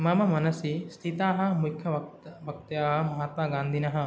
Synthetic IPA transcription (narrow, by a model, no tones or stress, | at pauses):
mɐmɐmɐnɐsist̪ʰit̪aːɦɐ̆mukʰjɐʋɐbʱɐk̚t̪jaːɦɐ̆mɐɦat̪maːɡãːnd̪ʱinɐɦɐ